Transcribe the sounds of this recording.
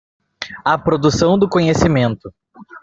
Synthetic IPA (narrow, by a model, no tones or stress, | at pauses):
ɐpɾod̪usɐ̃w̃d̪ʊkõɲesimẽnt̪ʊ